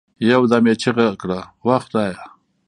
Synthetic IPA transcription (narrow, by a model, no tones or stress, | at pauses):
jawd̪amet͡ʃʰiɣakɽawaxt̪aja